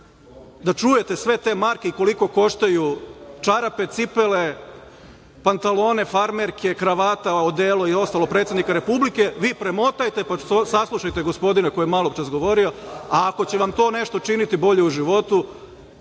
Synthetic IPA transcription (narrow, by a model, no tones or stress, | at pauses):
d̪at͡ʃuje̞t̪e̞sʋe̞t̪e̞ːmaɾkeiko̞liko̞ko̞ʃt̪ajut͡ʃaɾape̞t̪sipele | pant̪alo̞ːne̞faɾmeɾkʰe̞kɾaʋaːt̪aod̪eːloio̞st̪alopɾet̪sʲed̪nikaɾe̞publike̞ʋiːpɾemo̞t̪ajt̪e̞pasaslˠuʃajt̪e̞ɡo̞spo̞d̪ineko̞jmalˠopt͡ʃasɡo̞ʋo̞ɾio̞aːko̞t͡ɕeʋamt̪o̞ːne̞ʃt̪o̞t͡ʃinit̪ibo̞ʎe̞uʒiʋo̞t̪u